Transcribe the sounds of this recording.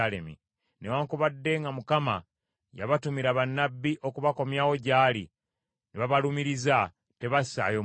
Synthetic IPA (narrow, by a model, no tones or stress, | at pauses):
alḛmḭ | newaːŋkuβadːe̞ŋɡamukama̰ | ja̰βatumiɾaβanːabːiʔo̞kuβako̞mjaːwo̞ɟaːli | neβaβalumiɾiza | te̞βasa̰ːjo